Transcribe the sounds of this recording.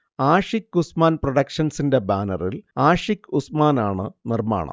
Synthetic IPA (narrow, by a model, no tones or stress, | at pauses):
aːʂikːusmaːnproɽɐkʂɐnsinde̞baːnɐrilaːʂikːusmaːnaːɳɨnirma̰ːɳɐ̰m